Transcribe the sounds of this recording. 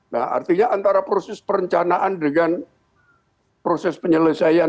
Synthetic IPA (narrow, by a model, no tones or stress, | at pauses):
na̰ha̰rt̪iɲaʔant̪aɾapɾosɛspəɾəɲt͡ʃanaʔandəŋan | pɾosɛspəɲələsaja